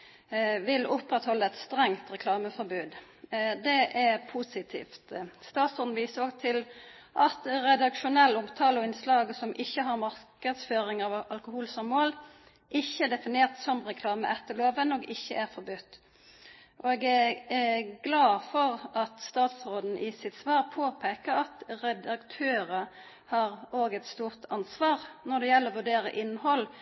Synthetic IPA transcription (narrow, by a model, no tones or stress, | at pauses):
ʋɪlʊpʁɛt̪hɔlːəɛt̪st̪ɾɛŋt̪ʁɛkʰlɑːməfɔɾbʉːd̪ | d̪ɛʔæʁpʰusɪt̪ʰḭːft̪st̪ɑːt̪sɔd̪n̩ʋiːsəɾɔɡt̪ʰɪl | ʔɑt̪ʁɛd̪ɑkʃʊnɛlːʊmt̪ʰɑːlʊɪnslɑːɡsɔmʔɪçːəɦɑɾmɑʁkəd̪sføːɾɪŋɑːʋɑlkʊhuːlsɑmmoːl | ʔɪçːəæd̪ɛfɪneːʁt̪sɔmʁɛkʰlɑːmə̰ʔɛt̪ːəloːʋənɔɡɪçːəʔæɾfɔɾbʉt̪ː | ʔɔɛːɡæ | ɡlɑːfɔʁɑt̪st̪ɑːt̪sʁoːd̪n̩ʔɪsɪt̪sʋɑːʁpʰoːpʰeːkəɾɑt̪ʁɛd̪ɑkt̪ʰøːɾə | hɑɾoːɡɛt̪st̪uːʁt̪ʰɑnsʋɑːʁnɔd̪ɛjɛlːəɾɔʋʉɖeːɾə̰ʔɪnːhɔl